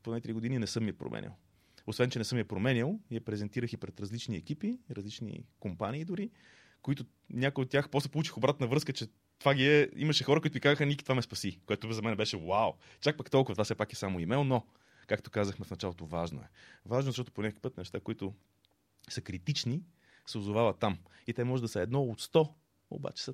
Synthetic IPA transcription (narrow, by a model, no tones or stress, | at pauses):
ponait̪ɾiɡod̪ininɛsɤmːiɛpɾo̰mʔɛ̰nʲḭlˠ | osvɛnt͡ʃɛnɛsɤmiɛpɾomɛnilˠijɐpɾɛzɛnt̪iɾəxipɾɛt̪ɾɐzlit͡ʃniɛkipiɾɐzlit͡ʃnḭkompanʲiːd̪ʊɾi | koit̪ʊ | nʲakojot̪ːʲjaxpɾɔst̪ɛpolˠut͡ʃixobɾat̪nəvɾɤskət͡ʃɛ | t̪ovaɡiɛḭməʃɛxɔɾəkoit̪ʊɡikazəxənikit̪vamɛspɐsikoɛt̪ozɐmɛnɛbɛʃɛwaw | t͡ʃak̚pakt̪ɔlˠkʊvət̪vafsɛpakɛsamoimɛlˠno | kakt̪o̥kazəxmɛfnɐt͡ʃalˠot̪ovaʒno̰ɛ̰vaʒnzɐʃt̪ɔt̪ʊ̥ponʲako̥ipɤət̪nɛʃt̪akoit̪ʊ | səkɾit̪it͡ʃni | sɛʊzovavɐt̪ːamit̪ɛmɔʒɛd̪ɐsəɛd̪nɔot̪st̪ɔ | o̰ba̰t͡ʃɛ̥sə